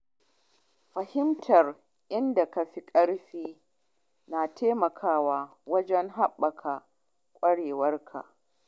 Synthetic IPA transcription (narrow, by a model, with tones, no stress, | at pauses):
ɸɐ˨hɪ˦mtʰɐ˨r | ʔɪ˦nda˨ka˨ɸi˦kʼɐ˦ɽɸiː˦ | naː˨tʰeː˦mɐ˨kʰaː˦waː˦ | wɐ˦d͡ʒɛ˦ŋɦa˦ɓːɐ˨kʰa˨ | kʷʼɐ˦ɽeː˨wɐ˦rkʰa̰˨ʔ